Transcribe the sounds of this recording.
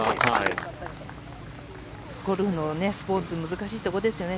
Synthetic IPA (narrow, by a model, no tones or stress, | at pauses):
hai | ɡ̥o̞ɾɯ̟hɯno̞ne̞sɨ̥po̞ːt͡sɨmɯzɨkaɕiːt̪o̞kod̪e̞sɨjo̞ne̞